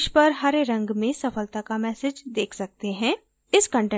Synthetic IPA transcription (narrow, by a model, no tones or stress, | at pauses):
ʃpɐɾɦɐɾɾɐ̃ŋɡmẽsɐfəlt̪akamɛːsɪd͡ʒd̪eːkʰsɐk̚t̪eɦɛ̃ː | ɪskə̃ɳʈɛ̃